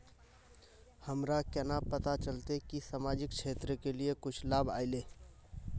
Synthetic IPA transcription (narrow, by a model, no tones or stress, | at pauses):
həmɾakɛːnapət̪at͡ʃəlt̪ekisamaːd͡ʒɪkt͡ʃʰeːt̪ɾəkeliekʊt͡ʃʰlaːba̰ːɪleː